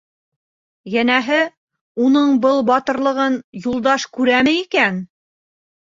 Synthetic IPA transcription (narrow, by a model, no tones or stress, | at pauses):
jænæɦɘ | unɤɴbɤlˠbɑt̪ɤ̆ɾlˠɤ̆ʁɤnjulˠd̪ɑʃkʉɾæmɘikæn